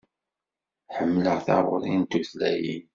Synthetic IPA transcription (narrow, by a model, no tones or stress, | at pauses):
ħəmːləʁθɑɾˤoɾˤint̪uθlæjḭn